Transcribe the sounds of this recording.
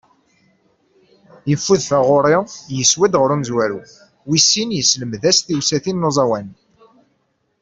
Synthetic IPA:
jəfːuðfæʁoɾˤɪjəswæd̪ʁəɾuməzwæɾu | wisːinjəsləmðæsθiwsæθinːozˤɑwæn

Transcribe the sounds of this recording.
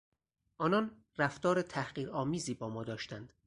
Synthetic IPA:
ʔɒːnɒn | ræft̪ɒːɾet̪ʰæhɢiːɾɒːmiːziːbɒːmɒːd̪ɒːʃt̪ænd̪̥

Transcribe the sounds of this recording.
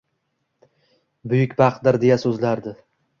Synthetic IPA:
bʊjʊkʲbaqd̪ɪɾd̪e̞jasɵzlaɾd̪ɪ

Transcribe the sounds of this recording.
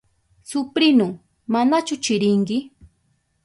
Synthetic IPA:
sʊpɾɪnʊ | manat͡ʃʊt͡ʃɪɾɪŋɡɪ

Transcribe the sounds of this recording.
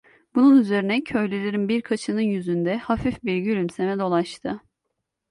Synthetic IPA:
bununyze̞ɾinɛcʰø̞jlʲylʲeɾinbiɾkʰat͡ʃʰɯnɯnjyzynd̪ɛhafifbiɾɟylʲymse̞mɛd̪o̞lˠaʃt̪ʰɯ

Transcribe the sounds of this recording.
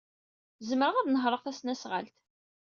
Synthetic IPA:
zəmɾəʁæðnəɦɾˤəʁθæsnæsʁə̰lt̪

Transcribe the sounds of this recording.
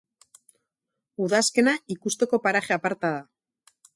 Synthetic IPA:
uðaske̞naikust̪e̞ko̞paɾaχeapaɾt̪aða

